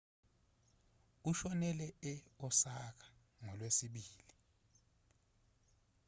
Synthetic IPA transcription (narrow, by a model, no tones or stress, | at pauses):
uʃɔnɛlɛɛɔsak̬ḁ | ŋɔlwesiɓiːli